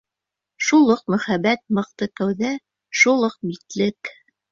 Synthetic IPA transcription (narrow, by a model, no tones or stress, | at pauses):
ʃulˠoq̚mɵ̆χæbæt̪̚mɤ̆q̚t̪ɤkæwðæ | ʃulˠoq̚bit̪lɘk